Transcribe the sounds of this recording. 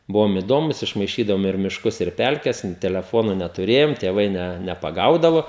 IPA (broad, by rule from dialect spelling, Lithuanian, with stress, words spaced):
ˈbʊʋoːm ɪˈdoːmʊs ɪʃmɐɪˈʃʲiːdɐʋoːm ɪr mʲɪʃˈkʊs ɪr ˈpʲɛlʲkʲɛs ɪn tʲɛlʲɛˈfoːnʊ nʲɛtʊˈrʲeːjoːm tʲeːˈʋɐɪ nʲɛ nʲɛpɐˈɡɐʊdɐʋoː